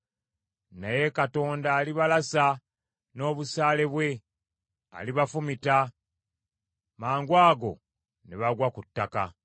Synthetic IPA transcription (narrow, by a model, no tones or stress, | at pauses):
naje̞kato̞ːndaːliβalasa | no̞ːβusaːle̞βwe̞ | a̰liβafumita | maːŋɡwaːɡo̞̰ | neβaɡwakutːaka̰